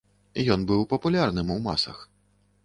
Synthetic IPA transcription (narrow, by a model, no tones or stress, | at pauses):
jɔnbɨwpɐpulʲarnɨmuwma̰sɐ̰x